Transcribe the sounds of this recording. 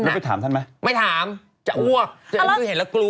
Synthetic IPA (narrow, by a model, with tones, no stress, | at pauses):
m˥˩t̪ʰaː˨˩˦mt̪ʰa˥˩nma˨˦˥jma˥˩jt̪ʰaː˨˩˦m | t͡ɕa̰˧˩ʔu˧˩ək̚t͡ɕa˧˦˧he˨˩˦n̚laː˨˧˦klu˧˦